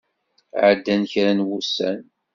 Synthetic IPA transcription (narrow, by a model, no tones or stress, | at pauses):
ʕəd̪ːænçɾænwusːæ̰n